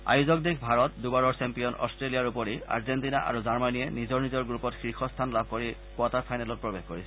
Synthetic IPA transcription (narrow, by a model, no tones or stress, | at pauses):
a̰juzɔk̚dikʰbʱaɹɔt̚dubaɹɔɹsɛmpijɔnɔ̰stɹelijaɹupɔɹia̰ɹzentina̰ʔa̰ɹuzaɹmanijɛnizɔɹnizɔɹɡɹupɔtxɹixʰɔstʰanlab̚ʱkoɹi | pɔtapʰajnalɔt̚pɹɔbexkoɹisʰɛ